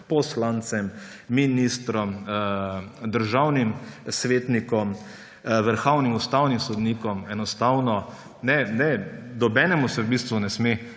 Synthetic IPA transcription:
pɔslant̪sɛmː | inist̪ɾɔm | d̪əɾʒawnimsʋeːt̪nikɔm | ʋəɾxawnimust̪awnimsɔd̪niːkɔmɛnɔst̪awnɔ | nɛnɛd̪ɔbɛːnɛmusɛwbiːst̪ʋunɛsme

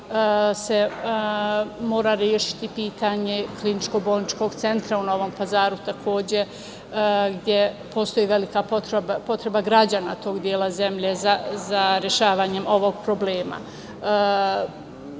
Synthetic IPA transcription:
se̞ | mo̞ːɾaɾjeːʃi̥t̪ipiːt̪aɲe̞klinit͡ʃko̞bo̞lˠnit͡ʃko̞ɡt̪se̞nt̪ɾauno̞ʋo̞mpazaːɾut̪akʰo̞ːd͡ʑe̞ | ɡd̪je̞ | pʰo̞ːst̪o̞jiːʋe̞likapot̪ɾbapo̞t̪ɾe̞baɡɾad͡ʑanat̪o̞ːɡd̪jeːlˠaze̞mʎezazaɾjeʃaːʋaːɲe̞mo̞ʋo̞ɡ̚pɾo̞ble̞ːma̰

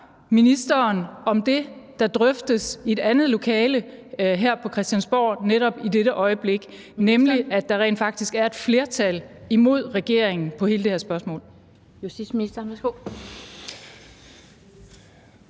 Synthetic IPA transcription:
minisd̥ɐːnɒ̽md̥e̝d̥ɑ̈d̥ʁœfd̥əse̝d̥ænð̩ˠlo̝kʰɛːləɦæɐ̰pʰɒ̽kʰʁɛsd̥jænsb̥ɒ̰ːneɾɒ̽b̥id̥eɾəʔɒ̽ɪəb̥le̝ɡ̥ | nemliæd̥ɑ̈ʁɛ̰ːn̥fɑ̈ɡ̥̚d̥isɡ̥æɐe̝d̥fle̝ɐt͡sʰælimo̝ð̞̰ˠʁɛɡ̥e̝̰ɐ̰eŋn̩pʰɒ̽he̝ːləd̥e̝heɐsb̥ɶɐsmɔ̰̽ːl | jusd̥isminisd̥ɐɐɡ̥o

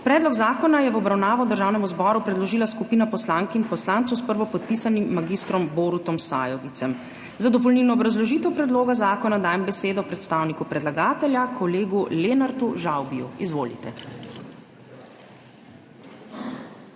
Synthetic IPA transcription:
pɾɛːd̪lɔɡzaːkɔnajɛʋɔbɾawnaːʋɔd̪əɾʒaːwnɛmuzbɔɾupɾɛd̪lɔʒiːlaskupiːnapɔslaŋkinpɔslant̪sɔwspəɾʋɔpɔt̪̚pisanimːaɡist̪ɾɔmboɾut̪ɔmsa̰ːjɔʋit̪sɛm | zad̪ɔp̬ɔlnilnɔːbɾazlɔʒiːt̪ɛwpɾɛd̪loːɡazaːkɔnad̪aːjɛmbɛseːd̪ɔpɾɛt̪st̪aːwnikupɾɛd̪laɡaːt̪ɛljakʰɔleːɡuleːnaɾt̪uʒawbijṵizʋoːlḭt̪ɛ

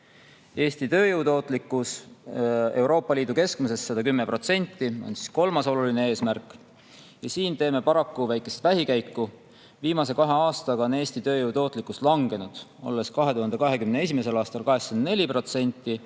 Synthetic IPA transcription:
e̞ːst̪it̪ø̞ːjuwt̪o̞ːt̪ˑlikːˑus | e̞uwɾo̞ːpːˑɑliːd̪uke̞skmuse̞sːɑd̪ɑkymːe̞pro̞t̪se̞nʲt̪ːˑio̞̰nsi̥sko̞lmɑso̞luline̞e̞ːsmærkːˑ | jɑsiːnt̪eːme̞pɑɾɑkːuvæjkːˑe̞st̪væɦikæjkːu | viːmɑse̞kɑɦe̞ɑːst̪ɑɡɑo̞ne̞ːsʲt̪it̪ø̞ːjuwt̪o̞ːt̪ˑlikːˑust̪lɑŋɡ̥e̞nud̪̥o̞̰lːe̞skɑɦe̞t̪uhɑnd̪̥ekɑɦe̞kymnee̞s̬ʲime̞se̞lɑːst̪ɑlkɑɦe̞sɑnne̞lʲipro̞t̪se̞nʲt̪ːˑi

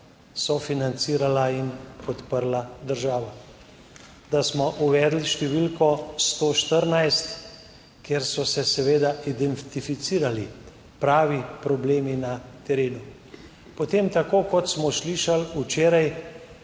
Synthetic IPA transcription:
sɔfinant̪siːɾalainpɔt̪pəɾlad̪əɾʒaːʋa | d̪asmɔʔuʋɛːd̪liʃt̪ɛʋilkɔst̪oːʃt̪əɾnajst̪ | keɾsɔsɛsɛʋeːd̪aʔid̪ɛnt̪ifit̪siːɾali | pɾaːʋipɾɔbleːminat̪ɛɾeːnu | pɔt̪emt̪akoːkɔt̪smɔsliːʃalut͡ʃeːɾaj

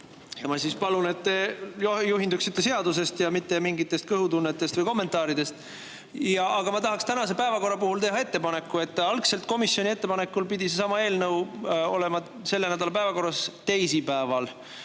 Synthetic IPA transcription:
jɑmɑsispɑlune̞t̪ːejojuɦind̪uksit̪ːe̞se̞ɑd̪us̬e̞st̪jɑmit̪ːˑemiŋɡit̪ːˑe̞st̪kɤɦut̪unːet̪ːˑe̞st̪vɤjko̞mːe̞nt̪ˑɑːɾid̪̥e̞st̪ | jɑʔɑɡɑmɑt̪ɑɦɑkst̪ænɑs̬e̞pæevɑko̞rːɑpuɦult̪e̞ɦɑe̞t̪ːe̞pɑne̞kːˑue̞t̪ːˑɑlkse̞lt̪̚ˑko̞misjo̞nʲie̞t̪ːe̞pɑne̞kːulpid̪ʲisesɑmɑe̞ːlnɤwo̞le̞mɑ | se̞lːenæd̪ɑlɑp̬æevɑko̞rːɑst̪e̞jsipæevɑl

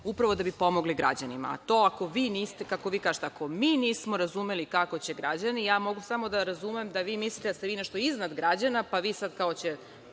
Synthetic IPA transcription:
upɾaʋo̞d̪abipo̞moɡliɡɾa̰d͡ʑanima̰a̰t̪oːako̞ʋiːniːst̪ekako̞ʋiːkaːʒet̪eako̞miːniːsmo̞ɾazumelikako̞t͡ɕeɡɾad͡ʑanijaːmo̞ɡusamo̞d̪aɾazumemd̪aʋiːmislit̪ed̪ast̪eʋinɛʃt̪oiznad̪ɡɾad͡ʑanapaʋiːsad̪kaot͡ɕe̞

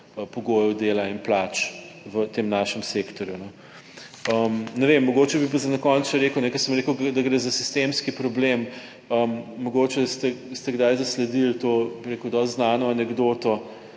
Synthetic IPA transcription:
əpɔɡoːjɛwd̪eːlainplat͡ʃ | ʋət̪emnaʃɛmsekt̪ɔɾjunɛ | əmnɛʋemːɔɡot͡ʃɛbipazɐnɐkɔnt͡sɐɾekəwnɛkɔsəmɾekəʊɡd̪ɐɡɾeːzasi̥st̪emskipɾɔblem | əmːɔɡot͡ʃɛst̪ɛst̪ɛɡd̪ajzɐslɛd̪ilt̪obiɾekəwd̪ɔst̪znaːnɔanɛɡd̪oːt̪ɔ

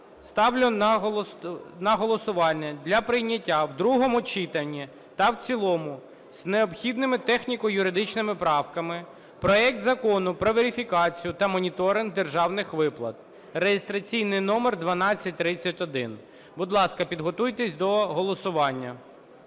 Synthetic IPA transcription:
st̪ɑwlʲʊn | nɐɦɔlˠɔsʊʋɑlʲːɐd̪ʲlʲɐpɾɪjnʲːɐtʲːawd̪ɾuɦɔmʊt͡ʃit̪ɐnʲːi | t̪ɐwt͡sʲilˠɔmʊ | z̥neɔpxʲid̪nɪmɪt̪ɛxnʲikɔjʊɾɪd̪ɪt͡ʃnɪmɪpɾɑwkɐmɪ | pɾɔɛk̚t̪zɐkɔnʊpɾɔʋeɾʲifʲikɑt͡sʲijʊt̪ɐmɔnʲit̪ɔɾɪnɡd̪erʒɑwnɪxʋɪplˠɐt̪̚ | rejest̪ɾɐt͡sʲijnɪjnɔmerd̪ʋɐnɑt͡sʲːɐt̚ʲt̪ɾɪt͡sʲːɐtʲɔd̪ɪn | bʊd̪lˠɑskɐpʲid̪ɦɔt̪ujt̪ɛsʲd̪ɔɦɔlˠɔsʊʋɑnʲːɐ

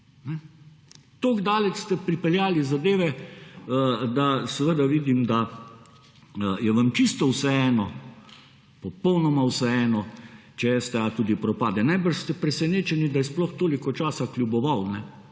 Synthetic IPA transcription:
nɛ | t̪oːɡd̪aːlɛt͡ʃst̪ɛpɾipɛljaːlizad̪eːʋɛ | d̪asɛʋəd̪aʋiːd̪imd̪a | jɛʋamt͡ʃist̪ɔwsɛɛːnɔ | pɔpɔwnɔmawsɛɛːnɔt͡ʃɛjɛst̪ɛat̪uːd̪ipɾɔpaːd̪ɛnajbəʃst̪ɛpɾɛsɛneːt͡ʃɛnid̪ajɛsplɔxt̪oːlikɔt͡ʃaːsaklʲjubɔʋawnɛ

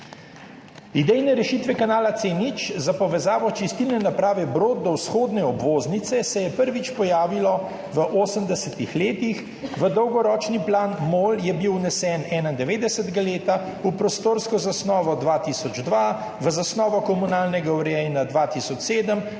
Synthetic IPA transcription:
id̪ɛjnɛɾɛʃiːt̪ʋɛkanaːlat̪seːnit͡ʃzapɔʋɛzaːʋɔt͡ʃist̪ilnɛnapɾaːʋɛbɾoːt̪̚d̪ɔwsxoːd̪nɛɔbʋoːznit̪sɛsɛjɛpəɾʋit͡ʃpɔjaːʋilɔ | ʋəʔoːsəmd̪ɛsɛt̪ixleːt̪ix | ʋəd̪ɔwɡɔɾɔːt͡ʃniplaːnmoːljɛbiwnɛsɛːnɛːnaind̪ɛʋeːd̪ɛsət̪ɛɡaleːt̪a | upɾɔst̪oːɾskɔzasnɔːʋɔd̪ʋat̪iːsɔd͡ʒd̪ʋa | ʋəzasnɔːʋɔkɔmunaːlnɛɡauɾɛjnad̪ʋaːt̪iːsɔt͡ʃseːd̪əm

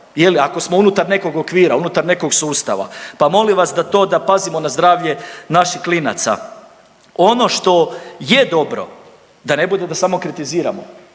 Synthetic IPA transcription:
je̞liako̞smo̞unut̪aɾne̞ko̞ɡokʋiːɾaunut̪aɾne̞ko̞ɡsuːst̪a̰ʋa̰pamo̞liʋasd̪at̪o̞ːd̪apazimo̞nazd̪ɾaːʋʎe̞naʃiklina̰t̪sa̰ | o̞no̞ʃt̪o̞je̞d̪o̞bɾo̞̰ | d̪ane̞bud̪e̞d̪asamo̞kɾit̪iziːɾa̰mo̞̰

